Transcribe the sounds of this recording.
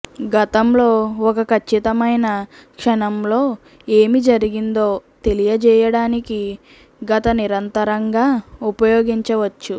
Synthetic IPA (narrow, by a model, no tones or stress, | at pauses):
ɡɐt̪ɐmlo̞ːɔkɐkʰɐt͡ʃːit̪ɐmɐjnɐkʂɐnɐmlo̞ː | e̞ːmid͡ʒɐɾiɡind̪o̞ːt̪e̞lijɐd͡ʒɛːjɐɽaːniki | ɡɐt̪ɐniɾɐnt̪ɐɾɐŋɡaːupɐjo̞ːɡiɲt͡ʃɐʋɐt͡ʃːu